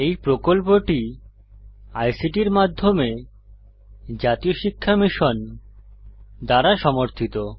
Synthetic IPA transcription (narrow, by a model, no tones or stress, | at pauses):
ejpɾokolp̬oʈi | ajsiʈiɾmad̪ʱːome | d͡ʑat̪ioʃikʰːamiʃon | d̪aɾaʃɔmoɾt̪ʰit̪o